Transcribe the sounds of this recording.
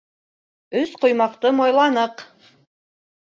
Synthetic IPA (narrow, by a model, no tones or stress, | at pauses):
ɵsqŏjmɑqt̪ɤmojlˠɑnɤq